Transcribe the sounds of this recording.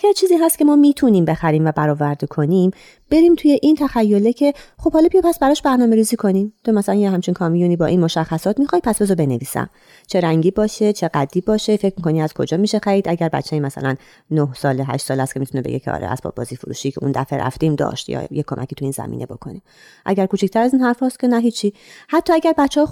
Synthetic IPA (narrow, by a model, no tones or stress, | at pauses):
jet͡ʃʰiːziːɦæst̪kce̞mɒːmiːt̪ʰuniːmbexæɾiːmvæbæɾɒːvæɾd̪ekʰo̞nim | b̥e̞ɾiːmt̪ʰuje̞ʔint̪ʰæxæjːo̞lecʰe̞χobhɒːlɒːbijepʰæsbæɾɒːʃbæɾnɒːme̞ɾiːziːkʰo̞nimt̪ʰomæsælænjeɦæmt͡ʃʰinkʰɒmijuniːbɒ̰ːʔinmo̞ʃæxːæsɒːt̪mixɒj̚pʰæsbezɔbe̞neviːsæ̰m | t͡ʃʰeɾæŋɟiːbɒːʃet͡ʃʰe̞ɡæd̪ːiːbɒːʃefe̞cʰmikʰo̞niæz̥kʰo̞̰d͡ʒɒːmiːʃexæɾiːd̪ʔæɟæɾbæ̰tt͡ʃʰːeimæsæ̰lænː | ohsɒːleɦæ̰ʃt̪sɒːlæst̪cʰemit̪ʰunebḛɟecʰeɒ̰ɾḛæ̰z̥pʰɒ̰bɒ̰ːziːfoɾṵːʃicʰeṵnd̪æ̰feɾʔæ̰ft̪iːmd̪ɒ̰ːʃt̪jɒ̰ːjekʰːomʔæ̰cʰiːt̪ʰuiːnzæ̰mḭːne̞̰bo̞kʰo̰ni | ʔæ̰ɟæɾkʰuːt͡ʃʰicʰt̪ʰæɾæziːnɦæɾfɒːst̪kʰʲe̞næɦiːt͡ʃʰːihæt̪ʰːɒːæɟæɾbæt͡ʃːeɒ